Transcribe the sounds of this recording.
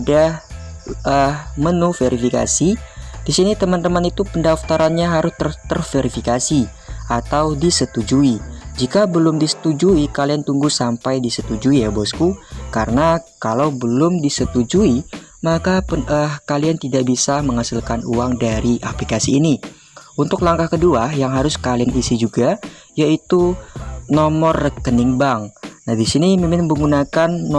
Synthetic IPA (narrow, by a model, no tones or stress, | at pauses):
dah | əhmənufeɾifika̰sid̥isinit̪əmant̪əmanit̪upəndaft̪aɾanɲaɦaɾʊst̪ərt̪ərfeɾifikasi | at̪awdisət̪ud͡ʒuid͡ʒikabəlʊmdisə̥t̪ud͡ʒuikaliant̪uŋɡusampajdisət̪ud͡ʒuijabɔskukaɾənakalawbəlʊmdisət̪ud͡ʒuimakapəkaliant̪idaʔbisaməŋasilkanuwaŋdaɾiʔa̰plikasiːni | ʔunt̪ʊklaŋkahkəduajaŋɦaɾʊskalianisid͡ʒuɡa | jait̪unɔmɔrːəkəniŋbaŋnahdisinimimɪnbəŋunakanː